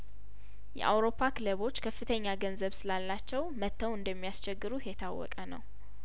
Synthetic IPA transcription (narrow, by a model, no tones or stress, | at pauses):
jɛ̰ʔa̰wɾo̞pʰːakʰɨləβo̞t͡ʃːkʰəfːɨt̪ʰəɲːaɡənzəβsɨlalːat͡ʃːɛwmət̪ʰːəwɨnd̪əmːijast͡ʃɛɡːɨɾujɛt̪ʰawːɔ̰kʼənə̰w